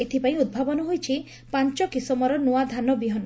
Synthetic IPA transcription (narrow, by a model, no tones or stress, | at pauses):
et̪ʰipaĩud̪̚bʱabɔnɔɦojt͡ʃʰi | paɲt͡ʃɔkisɔmɔɾɔnuad̪ʱanɔbiɦɔnɔ